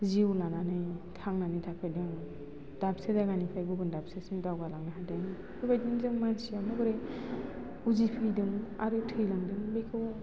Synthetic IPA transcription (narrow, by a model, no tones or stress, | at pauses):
ziwlananɯjtʰaŋnanɯtʰakʰɯjdɯŋ | d̥apsezaɡanipʰajɡuɡɯndap̚sesiŋdawɡalaŋnaɦadɯŋ | bɯbajdɯŋzɯŋmansijamɯɡɯɾɯj | uzipʰɯjdɯŋaɾɯtʰɯjlaŋdɯŋbekʰɯw